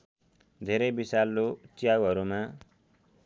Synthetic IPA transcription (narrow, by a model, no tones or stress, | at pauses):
d̪ʱeɾʌjbisalːot͡sjawɦʌɾumã